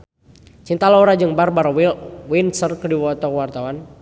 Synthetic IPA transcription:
t͡ʃint̪alɔɾad͡ʒɨŋbarbaɾwilwinsərkədiwɔt̪ɔkəwart̪awan

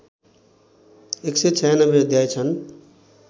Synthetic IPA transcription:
ekset͡sʰʌjanʌbeəd̪jajt͡sʰʌn

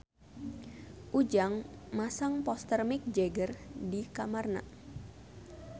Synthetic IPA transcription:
ʔud͡ʒaŋmasaŋpɔst̪ərmik̚d͡ʒɛɡərdikamarna̰

